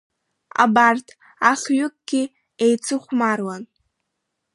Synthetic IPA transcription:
a̰bartʰ | aχʲɥʏk̚ʼɡ̥ʲi | ejt͡sʰɨχʷmarwan

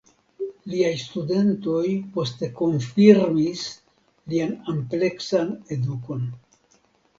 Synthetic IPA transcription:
liajstude̞nto̞jpo̞ste̞ko̞nfiɾmis | lianample̞ksane̞duko̞n

